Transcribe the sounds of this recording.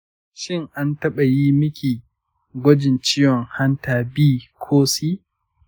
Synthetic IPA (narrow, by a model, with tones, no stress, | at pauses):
ʃɪ˦˨ŋʔa˦ntɐ˦ɓa˨jiː˦mɪ˦kʲiː˨ | ɡʷɔ˦d͡ʒɪ˨nt͡ʃiː˦jɔ˨ŋha˦ntaː˨biː˦kʷʰoː˦siː˦